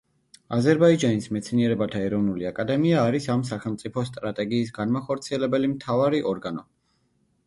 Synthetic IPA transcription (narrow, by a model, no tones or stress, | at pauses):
azɛɾbaid͡ʒanismɛt̪sʰniɛɾɛbat̪ʰaɛɾɔvnuliakʼad̪ɛmiaːɾisams̬aχɛlˠmt̪sʼipʰɔst̪ʼɾat̪ʼɛɡiːsɡanmaχɔɾt̪sʰiɛlɛbɛlimt̪ʰavaɾiʔɔɾɡanɔ